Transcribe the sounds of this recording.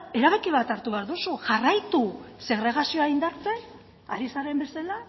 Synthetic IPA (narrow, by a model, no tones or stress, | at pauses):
e̞ɾaβe̞kiβ̞at̪aɾt̪uβeaɾðusuʝarajt̪use̞ɣ̞ɾe̞ɣ̞asioaind̪aɾt͡se̞n | aɾisaɾe̞mbe̞sala